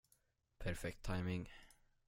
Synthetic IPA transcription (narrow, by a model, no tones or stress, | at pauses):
pʰæɾfɛk̚t̪ʰːajmɪŋ